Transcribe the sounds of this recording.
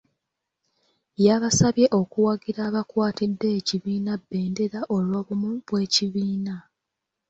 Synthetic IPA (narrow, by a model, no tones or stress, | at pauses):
jaβasaβje̞ʔo̞kuwaɡiɾaβakwaːtidːe̞ːciβiːnabːe̞ːnde̞ɾaʔo̞lwoːβumuβwe̞ːciβiːna